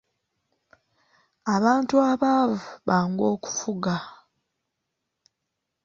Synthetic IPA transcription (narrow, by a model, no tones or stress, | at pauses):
aβaːntuaβavuβaːŋɡo̞ːku̥fuɡa